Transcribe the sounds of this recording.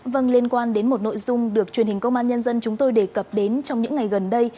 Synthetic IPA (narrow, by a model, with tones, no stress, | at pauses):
və˧nli˧ənkwaː˧nɗe˨˦nmo˨˩t̚no̰˧˨jzʊ˧ŋ͡mɗɨ˨˩ək̚t͡ɕwnhi˨˩ŋ̟kə˧wŋ͡mʔaː˧nɲə˧nzə˧nt͡ɕʊ˨˦ŋ͡mt̪o˧jɗe˧˩kə˨˩p̚ɗe˨˦nt͡ɕɔ˧wŋ͡mɲɨ̰˧˥ŋːa˨˩jɣə˨˩nɗə˧j